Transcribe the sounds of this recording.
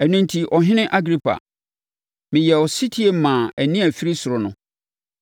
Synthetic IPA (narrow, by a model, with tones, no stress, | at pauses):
æ˨nũ˦n˦tʰi˨ʔɔ˨ɦɪ̃˦nɪ̃˦ʔa˦ɡɾi˦pʰa̰˨ | mɪ̃˨jɛ˨ɔ˨si˦tʰi˦e˨mãː˨æ˨nĩ˦æ˨fi˦ɾi˦sʊ˨ɾʊ˨nʊ̃˨